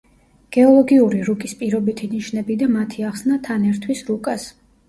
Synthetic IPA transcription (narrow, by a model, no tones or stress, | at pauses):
ɡ̥ɛɔlˠɔɡiuɾiɾukʼispʼiɾɔbit̪ʰiniʃnɛbid̪amat̪ʰiaχsnat̪ʰanɛɾt̪ʰwisɾukʼas